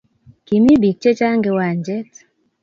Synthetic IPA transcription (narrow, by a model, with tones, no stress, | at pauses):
ki˨mi˦bi˨k̚t͡ʃe˦t͡ʃa˦ŋɡe˧wa˨ɲd͡ʒɛ˦t